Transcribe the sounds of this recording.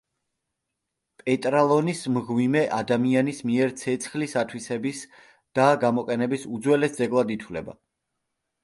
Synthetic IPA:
pʼɛt̪ʼɾalˠɔnismʁwimɛʔad̪amianismiɛɾt̪sʰɛt̪sʰχlisat̪ʰwisɛbis | d̪̥aɡamɔqʼɛnɛbisud̪zwɛlɛsd̪zɛɡlˠad̪it̪ʰwlɛ̰ba̰

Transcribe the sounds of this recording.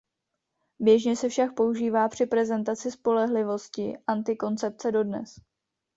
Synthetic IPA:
bjɛʒɲɛsɛfʃak̚po̞uʒiːvaːpr̝̥ɪpɾɛzɛnt̪at͡sɪspo̞lɛɦlɪvo̞scɪʔant̪ɪko̞nt͡sɛp̚t͡sɛdo̞dnɛ̰s

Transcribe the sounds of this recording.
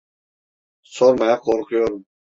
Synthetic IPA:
soɾmajaqʰoɾqʰʊjoɾum

